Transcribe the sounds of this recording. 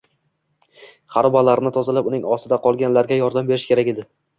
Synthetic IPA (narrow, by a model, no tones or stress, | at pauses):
χaɾbalaɾɪnɪt̪ʰɒzalapʊnɪŋɒsɪd̪aqʰɒlˠɡʲanlaɾɡʲajɒɾd̪ambe̞ɾɪʃkʲe̞ɾakʲed̪ɪ